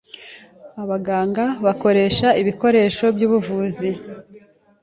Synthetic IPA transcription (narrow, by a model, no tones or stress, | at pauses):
aβaɡaːŋɡaβako̞ɾe̞ːʃaiβiko̞ɾe̞ːʃo̞bjuːβuvuːzi